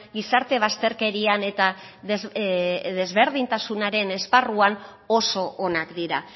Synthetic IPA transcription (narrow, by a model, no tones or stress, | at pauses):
ɡisaɾt̪e̞β̞ast̪e̞ɾke̞ɾiane̞t̪a | ðezðe̞zβe̞ɾð̞int̪asunaɾe̞ne̞sparuan | o̞so̞ʔonakd̪iɾa